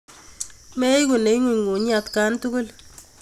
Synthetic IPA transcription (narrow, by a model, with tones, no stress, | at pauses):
mɛ˦jku˨ne˨˦ŋi˨ɲŋu˨ɲ˦a˨t̪ka˦ntu˦kʊ˦l